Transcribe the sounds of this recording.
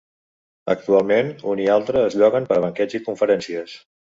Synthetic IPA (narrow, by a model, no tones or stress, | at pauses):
ə̰k̚t̪ualˠmenunialˠt̪ɾəːzʎɔɣənpəɾβ̞əŋkɛd͡zikuɱfəɾɛnsiəs